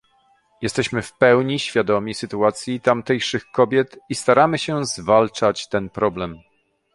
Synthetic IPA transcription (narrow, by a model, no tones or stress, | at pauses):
jɛst̪ɛɕmɘfpɛwɲiɕfʲjad̪ɔmʲisɘt̪uat̪sʲjit̪amt̪ɛjʂɘxkɔbʲjɛt̪ist̪aɾamɘɕɛzvalt͡ʂat͡ɕt̪ɛnpɾɔblɛm